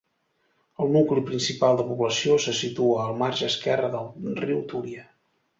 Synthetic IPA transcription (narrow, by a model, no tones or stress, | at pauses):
əlˠnuklipɾinsipalˠd̪əpuβləsiosəsit̪uəːlˠmaɾʒəskɛrəðəlˠriwt̪uɾiə